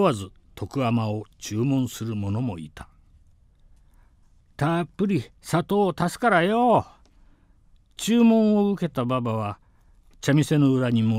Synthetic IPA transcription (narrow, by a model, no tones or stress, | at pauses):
azɨ | t̪ʰo̞kɯamao̞t͡ɕɨːmõ̞ɰ̃sɨɾɯmo̞no̞mo̞it̪ḁ | t̪apːɯ̟ɾʲisat̪o̞ːt̪asɨ̥kaɾajo | t͡ɕɨːmõ̞ɰ̃o̞ɯke̞t̪ababaβ̞a | t͡ɕamʲise̞no̞ɯ̟ɾaɲ̟imo